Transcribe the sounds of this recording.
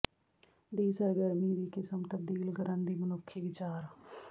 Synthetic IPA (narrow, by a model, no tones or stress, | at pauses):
d̪iːsəɾɡəɾmiːd̪iːkɪsəmt̪əb̚d̪iːlkəɾənd̪iːmənʊkʰːiːʋɪt͡ʃaːɾ